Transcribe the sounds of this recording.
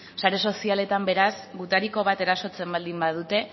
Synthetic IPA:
saɾe̞so̞siale̞t̪ambe̞ɾasɡut̪aɾiko̞β̞at̪e̞ɾaso̞t͡se̞mbald̪imbað̞ut̪e̞

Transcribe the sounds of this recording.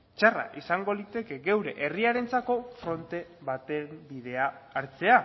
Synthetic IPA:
t͡ʃara̰ʔisaŋɡo̞ðit̪e̞ke̞ɡewɾe̞̰ʔeriaɾe̞nt͡sako̞fɾo̞nt̪e̞βat̪e̞mbið̞e̞aːɾt͡se̞a

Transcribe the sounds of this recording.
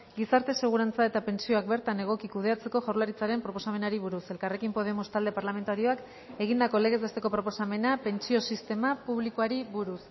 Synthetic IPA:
ɡisaɾt̪e̞se̞ɣ̞uɾant͡sae̞t̪ape̞nt͡sio̞ak̚be̞ɾt̪ane̞ɣ̞o̞kikuð̞e̞at͡se̞ko̞ʝaɾlaɾit͡saɾe̞mpɾo̞po̞same̞naɾiβ̞uɾuse̞lkare̞kimpo̞ð̞e̞must̪ald̪e̞paɾlame̞nt̪aɾio̞ak | e̞ɣind̪ako̞le̞ɣ̞e̞zβet̪e̞ko̞pɾo̞po̞same̞nape̞nt͡sio̞sist̪e̞mapuβ̞likoaɾiβuɾus

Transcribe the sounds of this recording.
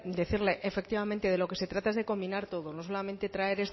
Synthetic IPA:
d̪e̞θiɾle̞ʔefek̚t̪iβamẽnt̪e̞ð̞elo̞ke̞se̞t̪ɾat̪ae̞zðe̞ko̞mbinaɾt̪o̞ð̞ono̞s̬o̞lamẽnt̪e̞t̪ɾae̞ɾe̞s

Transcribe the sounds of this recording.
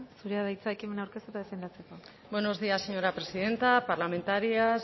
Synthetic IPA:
suɾeaðajt͡sae̞kime̞nawɾke̞st̪uet̪aðefend̪at͡se̞ko̞ | benozðiasːeɲoɾapɾesiðe̞nt̪apaɾlame̞nt̪aɾias

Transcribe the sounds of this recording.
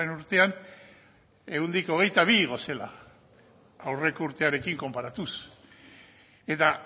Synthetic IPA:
enuɾt̪e̞an | e̞ɣund̪iko̞ɣ̞e̞jt̪aβ̞iɣ̞o̞se̞la̰ | awre̞kouɾt̪e̞aɾe̞kiŋko̞mpaɾat̪us | e̞t̪a

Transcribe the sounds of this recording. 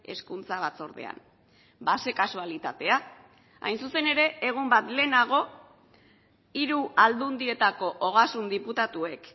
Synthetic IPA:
e̞̰skunt͡saβ̞at͡so̞̰ɾðe̞̰a̰n | base̞kasualit̪at̪e̞a | a̰jnsuse̞ne̞ɾe̞ːɣ̞umbat̪le̞ːnaɣ̞o̞ | iɾuald̪und̪iɾe̞t̪ako̞ʔoɣ̞asund̪iput̪at̪ue̞k

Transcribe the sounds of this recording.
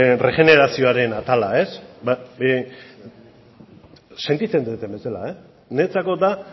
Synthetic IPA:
re̞ʝe̞ne̞ɾasio̞aɾe̞nat̪alae̞sba | se̞nt̪it͡se̞nd̪uet̪e̞mbe̞sela̰e | ne̞t͡sako̞d̪a

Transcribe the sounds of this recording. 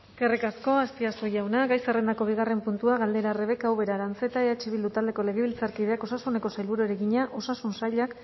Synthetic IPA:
kerekasko̞ast̪iast̪uʝawnaɡajsere̞nd̪ako̞β̞iɣare̞mpunt̪uaɣald̪e̞ɾare̞βe̞kawβe̞ɾaɾant͡se̞t̪aeðat͡ʃiβild̪ut̪ald̪e̞ko̞le̞ɣe̞βilt͡saɾkið̞e̞ako̞sasune̞ko̞sajlβuɾueɾe̞ɣiɲaʔo̞sasunsaʎak

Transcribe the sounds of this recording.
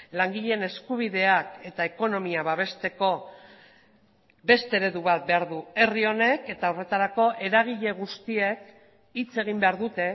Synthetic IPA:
laŋɡiʎe̞ne̞skuβ̞iðe̞ake̞t̪aeko̞no̞miaβaβ̞e̞st̪e̞ko̞ | be̞st̪e̞eɾe̞ðuβat̪̚be̞aɾðue̞rio̞ne̞ke̞t̪aore̞t̪aɾako̞ʔe̞ɾaɣ̞iʎe̞ɣ̞ust̪ie̞k | it͡se̞ɣ̞imbe̞aɾðut̪e̞

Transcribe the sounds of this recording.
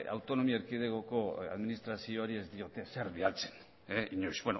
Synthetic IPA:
a̰wt̪o̞no̞miaeɾkiðeɣoko̞a̰ðminist̪ɾasioaɾie̞zd̪io̞t̪e̞se̞ɾβialt͡se̞̥n | eiɲojsbeno

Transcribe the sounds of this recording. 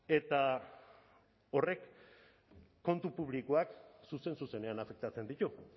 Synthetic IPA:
e̞t̪a | o̞re̞k | o̞nt̪upuβ̞likoaksuse̞nsuse̞ne̞anafe̞k̚t̪at͡se̞nd̪it̪u

